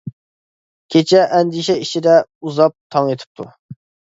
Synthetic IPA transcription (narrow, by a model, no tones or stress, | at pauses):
kʲʰet͡ʃʰɛʔɛnd̪iʃɛit͡ʃʰɪd̪ɛuzɑp̚t̪ʰɑŋet̪ʰɪ̥p̚t̪ʰṵ